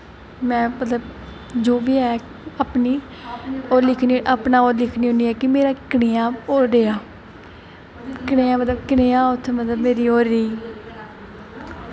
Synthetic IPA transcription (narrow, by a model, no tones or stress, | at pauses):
mɛ̃ːmət̪ləb | d͡ʒoːʋiːɛː | apniː | oːɾlɪkʰniʔaːpnaːoːɾlɪkʰniːɦoːniːɛːkɪmeːɾaːkɪɽeːaːoːɾdeːaː | kɪɽeːãːmət̪ləbkɪɽeːãːʊt̪ʰːmət̪ləbmeːɾiːoːɾiː